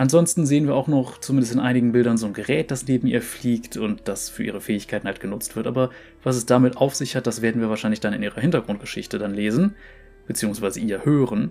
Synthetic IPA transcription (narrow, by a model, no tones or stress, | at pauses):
ʔanzɔnstn̩zeːənviːɐaʊxnɔχt͡sumɪndəstɪnʔaɪnɪɡŋ̩bɪldɐnzoːnɡəʁɛːt̚d̥asneːbm̩ḭːɐfliːktʰʊntd̥asfyːɐʔiːʁ̞əfɛːɪçkʰaɪtn̩halt̚ɡ̥ənʊt͡stv̥ɪɐtʔa̰ːbɐ | vas̬ɛsd̥amɪtʔaʊfz̥ɪçhat̚d̥asv̥eːɐdn̩viːɐvaːʃaɪnlɪçd̥anɪnʔiːʁɐhɪntɐɡʁʊnt̚ɡ̥əʃɪçtədanleːzn̩ | b̥ət͡siːʊŋsv̥aɪzəʔiːɐhøːʁən